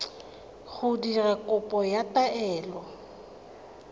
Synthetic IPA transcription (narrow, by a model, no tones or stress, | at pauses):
ɣʊdirakʼʊpʼɔjatʼaɛːlɔ